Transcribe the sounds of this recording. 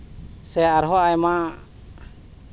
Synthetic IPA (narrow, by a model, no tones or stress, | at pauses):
sɛaɾɦɔajma